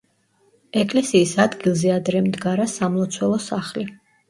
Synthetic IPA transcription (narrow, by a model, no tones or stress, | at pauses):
ɛkʼlɛsiːsad̪ɡilˠzɛad̪ɾɛmd̪ɡaɾasamlˠɔt̪sʰwɛlˠɔsaχli